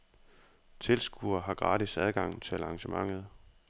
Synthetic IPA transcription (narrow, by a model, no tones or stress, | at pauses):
t͡sʰe̝lsɡ̥uɐɦɑ̈ɡ̥ʁɑ̈ːdisæð̞ˠɡ̥ɑ̈ŋ̰t͡sʰe̝ælɑ̈ŋɕəmɑ̈ŋ̰ð̞̩ˠ